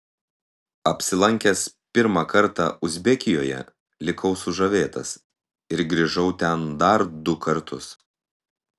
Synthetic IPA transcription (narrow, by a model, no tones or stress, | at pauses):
ɐpʲsʲɪlˠɐŋʲkʲɛspʲɪɾmɑkɐɾt̪ɑ̰ʊzʲbʲɛkʲɪjoːjɛ̰ | lʲɪkʰɐʊsʊʒɐʋʲeːt̪ɐ̰s | ɪɾɡɾʲɪʒɐʊt̪ʲɛnd̪ɐɾd̪ʊkɐɾt̪ʰʊs